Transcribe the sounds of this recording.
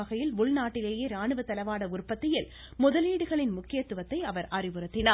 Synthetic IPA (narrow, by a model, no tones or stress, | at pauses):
ɐɣɐjɪlʊɭnaːʈːɪleːjeːɾaːɳɯʋɐt̪ːɐlɐʋaːɽɐʊrpɐt̪ːɪjɪl | mʊðɐliːɽɯɣɐɭɪnmʊkːɪjɐt̪ːɯʋɐt̪ːɐɪɐʋɐɾʔɐrɪʋɯɾɯt̪ːɪnɐ